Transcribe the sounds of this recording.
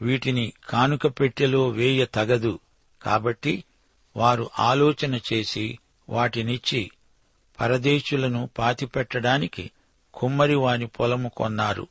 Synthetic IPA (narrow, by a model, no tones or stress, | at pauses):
ʋiːʈinikʰaːnukɐpe̞ʈːilo̞ːʋɛːjɐt̪ɐɡɐd̪u | ka̰ːbɐʈːi | ʋaːɾuʔaːlɔːt͡ʃɐnɐt͡ʃe̞ːsi | ʋaːʈinit͡ʃːi | pʰɐɾɐd̪eːʃulɐnupaːt̪ipɛʈːɐɽaːnikḭ | kʰumːɐɾiʋaːnipʰɔlɐmukɔ̰nːaːɾṵ